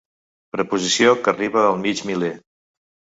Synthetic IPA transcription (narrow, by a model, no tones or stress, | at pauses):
pɾəpuzisiokəriβəəlˠmid͡ʒmile